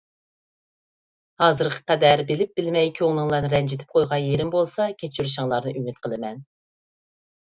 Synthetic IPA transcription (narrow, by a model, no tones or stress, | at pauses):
hɑːzɨɾqʰə̥qɛd̪æɾbɪlɪp̚b̥ɪlmɛjkʲʰøŋlˠɨŋlˠɑnɨɾɛnd͡ʒet̪ʰɪ̥p̚qʰojʁɑnjeɾɪmbolˠsɑkʲʰet͡ʃʰːyɾuʃ̬ɑŋlˠɑɾnɨʔymɪt̪̚qʰəlˠɨmɛn